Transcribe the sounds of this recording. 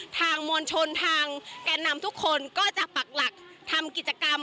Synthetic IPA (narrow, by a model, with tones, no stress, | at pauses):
t̪ʰaː˧ŋmuː˧ənt͡ɕʰo˧nt̪ʰaː˧ŋkaː˧nːa˧mt̪ʰu˦˥kʰːo˧nkɔː˥˩t͡ɕa˨˩k̚pa˨˩k̚la˨˩k̚t̪ʰa˧mki˨˩t͡ɕa˧ka˧m